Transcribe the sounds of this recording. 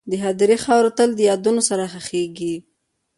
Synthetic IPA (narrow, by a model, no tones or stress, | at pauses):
d̪əɦad̪ɾixɑwɾot̪əld̪əjɑd̪unosaɾaxaxeɡi